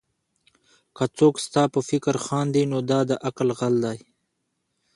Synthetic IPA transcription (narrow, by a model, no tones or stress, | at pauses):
kat͡soːkst̪ɑːpəfɪkəɾxɑːnd̪inod̪ɑːd̪əʔaklɣald̪aj